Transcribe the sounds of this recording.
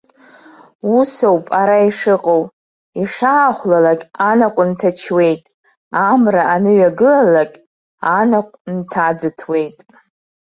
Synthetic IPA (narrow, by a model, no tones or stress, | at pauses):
usowpʼaɾaiʂɨqʼow | iʂaːχʷlalakʲʼanaqʷʼʊntʰat͡ʃʰwe̞jtʼ | amraʔanɨɥaɡɨlalakʲʼ | anaqʷʼntʰad͡zɨtʰwe̞jtʼ